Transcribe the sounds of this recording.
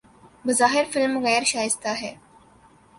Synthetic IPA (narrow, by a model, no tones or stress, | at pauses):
bɐzaːɦɪɾfɪlmɣɛːɾʃaːɪst̪aɦɛː